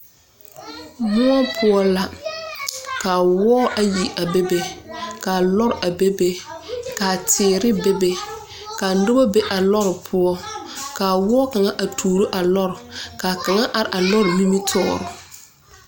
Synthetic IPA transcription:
mʊ˦ɔ˦pʰʊ˦ɔ˦la˨ | kaː˨wɔː˦ʔa˨ji˨ʔa˨be˦be˦kaː˨lɔ˦ɾɪ˨ʔa˨be˦be˦kaː˨tʰɪː˨ɾɪ˦be˦be˦ | kaː˨nʊ˦bɔ˦be˦ʔa˨lɔ˦ɾɪ˨pʰʊ˦ɔ˦kaː˨wɔː˦ka˨ŋa˦ʔa˨tʰuː˨ɾo˦ʔa˨lɔ˦ɾɪ˨kaː˨ka˨ŋa˦ʔa˨ɾɪ˨ʔa˨lɔ˦ɾɪ˨mi˦mi˦tʰɔː˦˨ɾʊ˨

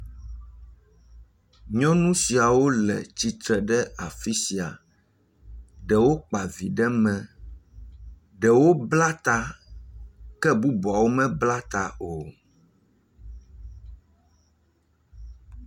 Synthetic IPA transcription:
ɲɔ̃˦nũ˦si˨a˨wo˦lɛ̰˨t͡ɕi˨t̪ɾɛ˨ɖɛ˦a˨fi˦si˨a˨ | ɖɛ˨wo˦k͡pa˨vi˨ɖɛ˦mɛ̃˨ | ɖɛ˨wo˦bla˦t̪a˦ | kɛ˦bu˦bɔ˨a˨wo˦mɛ̃˦bla˦t̪a˨o˨

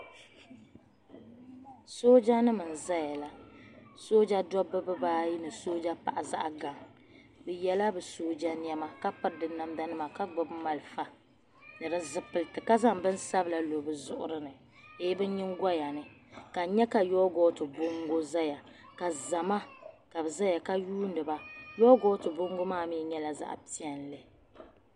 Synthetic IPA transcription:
soː˦d͡ʒa˦nɨ˦mɨ˨n̩˨za˦ja˨la˦soː˦d͡ʒa˦dɔ˦bːɨ˦bɨ˦baː˦ji˦nɨ˨soː˦d͡ʒa˦pa̰˨ʔa˨za̰˦ʔa˨ɡa˨ŋ | bɨ˨jɛ˦la˦bɨ˨soː˦d͡ʒa˦ni˦ɛ˦ma˦ka˦pɨ˦ɾdɨ˨na˦mda˦nɨ˦ma˨ka˦ɡ͡bʊ˨bma˨lfa˦ | nɨ˨ɾɨ˦zɨ˨pɨ˨ltɨ˨ka˦za˦ŋbɨ˦n˦sa˦bla˨lo˨bɨ˨zʊ˦ʔʊ˦ɾɨ˦nɨ˨ | e˦bɨ˦ɲɪ˦ŋ˦ɡa˦ja˨nɨ˨ka˨ɲɛ˦ka˨jɔ˦ɡɔː˦tɨ˨bʊ˦ŋɡo˦za˦ja˨ka˨za˨ma˦ | ka˨bɨ˨za˦ja˨ka˦juː˦n˦dɨ˨ba˦jɔ˦ɡɔ˦tɨ˨bo˦ŋɡʊ˦maː˦˨mi˦ɲɛ˦la˨za̰˦ʔpi˦ɛ˨nlɨ˨

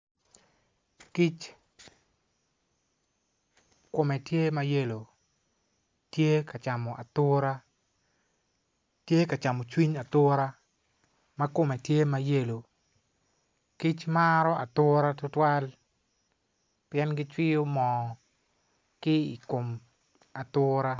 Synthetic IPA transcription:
ki˦t͡ʃ | kʊ˨mɛ˨tje˦ma˦je˦lo˨ | tje˦ka˨t͡ʃa˨mɔ˨ʔa̰˨t̪ʊ˦ɾa˦ | tje˦ka˨t͡ʃa˨mɔ˨t͡ʃwi˦ɲa˨t̪ʊ˦ɾa˦ | ma˦kʊ˨mɛ˨tje˦ma˦je˦lo˨ | ki˦t͡ʃmaɾɔ˦a̰˨t̪ʊ˦ɾa˦tʊ˦twa˦l | pɪjɛ˦nɡɪ˦t͡ʃwɪ˦o˦mɔ˨ | kɪ˦i˨ko˨m | a˨t̪ʊ˦ɾa˦

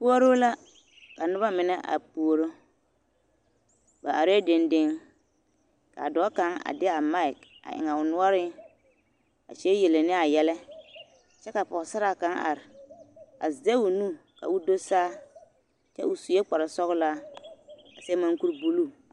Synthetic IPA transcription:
pu˦o˦ɾo˦la˦ | ka˨nʊ˦ba˦mɪ˨nɛ˦ʔa̰˨pu˨o˦ɾo˦ | ba˨ʔa˨ɾe˦dɪ˨ndɪ˦ŋ | ka̰˨dɔ˨˦ka˦ŋa̰˨dɪ˦a˨ma˦ɪ˨k | a̰˨ʔɪ̰˨ŋa˨ʊ˨nʊ˦ɔ˦ɾɪ˦ | a̰˨t͡ʃe˦je˨le˨nɪ˦a˨jɛ˦lɛ˦ | t͡ʃɛ˦ka˨pɔ˨sa˦ɾa˨ka˦ŋa̰˨ɾɪ˨ | a̰˨zze˦u˨nu˦ | ka̰˨ʊ˦do˦saː˦ | t͡ʃɛ̰˦ʊ˨su˨je˦k͡pa˨ɾa˨sɔ˦ɣla˦ | a˨se˦ma˦ŋku˦ɾbu˦luː˦˨

